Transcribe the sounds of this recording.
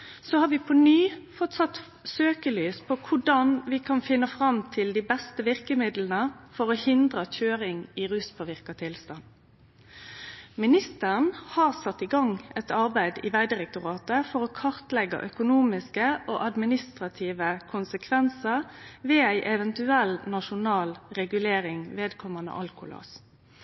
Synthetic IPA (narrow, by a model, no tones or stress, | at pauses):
soːhɑːɾʋɪpʰɔnyːfɔt̪sɑt̪ː | søːkəlyːspʰokʰʊɖɑnʋɪkʰɑnfɪnːəfʁɑmt̪ʰɪld̪iːbɛst̪əʋɪʁkəmɪd̪lənəfɔɾoːhɪnd̪ʁəc͡çøːɾɪŋɪʁʉːspʰoːʋɪʁkɑt̪ʰɪlst̪ɑn | mɪnɪst̪əʁnhɑːʁsɑt̪ːɪɡɑŋɛt̪ɑʁbæɪd̪ḭːʋæɪd̪ɪʁɛk̚t̪ʊʁɑːt̪əfɔʁoːkʰɑʁt̪lɛɡɑ̰ʔœkʊnuːmɪskəʔo̰ːʔɑd̪mɪnɪst̪ʁɑt̪ʰiːʋəkʰʊnsəkʰʋɛnsəʁʋeːæɪʔɛʋɛnt̪ʉɛlnɑʃʊnɑːlʁɛɡʉleːɾɪŋʋeːd̪kʰɔmɑnə̰ʔɑlkʊ̰lo̰ːs